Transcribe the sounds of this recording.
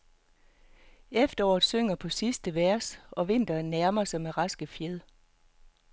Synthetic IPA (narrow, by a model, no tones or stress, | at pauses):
efd̥ɐɒːð̩ˠsøŋ̰ɐpʰɒ̽sisd̥əʋæɐ̰sɒ̽ʋe̝n̰d̥ɐnːæɐmɐsɑ̈ɪmeʁɑ̈sɡ̥əfjeð̰ˠ